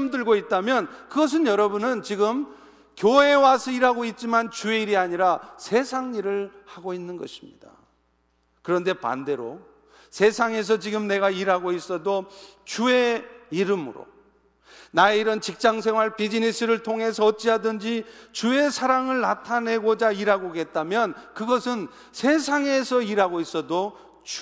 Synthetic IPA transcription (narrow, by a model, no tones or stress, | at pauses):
mdɯɭɡoit̚t͈amjʌnkɯɡʌs̬ʰɯnjʌɾʌbunɯnt͡ɕiɡɯm | kjoe̞wasʰʌiɾɦaɡoit̚t͡ɕ͈imant͡ɕue̞iɾiaɲiɾasʰe̞sʰaŋiɾɯɭhaɡoinːɯnɡʌ̰ɕʰi̥mɲḭda̰ | kɯɾʌnde̞pa̰nde̞ɾo̰ | sʰe̞sʰaŋe̞s̬ʰʌt͡ɕiɡɯmne̞ɡaiɾɦaɡois͈ʌdot͡ɕue̞iɾɯmɯɾo̰ | naeiɾʌnt͡ɕik̚t͡ɕ͈aŋs̬ʰe̞ŋɦwaɭpid͡ʑinisʰɯɾɯɭtʰoŋɦe̞s̬ʰʌːt̚t͡ɕ͈iɦadɯnd͡ʑit͡ɕue̞sʰaɾaŋɯɭnatʰane̞ɡod͡ʑaiɾɦaɡoɡe̞t̚t͈amjʌnkɯɡʌsʰɯn | sʰe̞sʰaŋe̞sʰʌiɾɦaɡois͈ʌdo | t͡ɕ